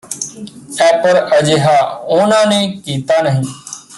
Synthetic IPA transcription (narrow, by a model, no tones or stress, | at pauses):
ɛːpəɾəd͡ʒeːɦaːoːnãːnẽːkiːt̪aːnəɦĩː